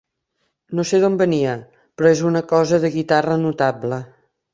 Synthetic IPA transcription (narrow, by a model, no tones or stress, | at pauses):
noseðombəniə | pɾɔezunəkɔzəðəɣit̪arənut̪ablə